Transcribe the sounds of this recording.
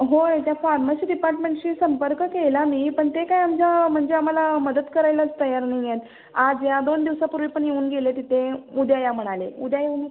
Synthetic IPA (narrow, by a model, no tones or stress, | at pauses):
ɦojet̪jafaɾmasiːɖipaɾʈmẽɳʈɕiːsəmpəɾkkelamiːpəɳt̪ekajamd͡ʑam̤əɳd͡zeam̤alaməd̪əd̪kəɾajlat͡st̪əjaɾnaijet̪ | ad͡zjad̪ond̪iʋsapuɾʋipəɳjeuːnɡelet̪it̪ʰeud̪ʱjajam̤əɽ̃aleud̪ʱjajeuːn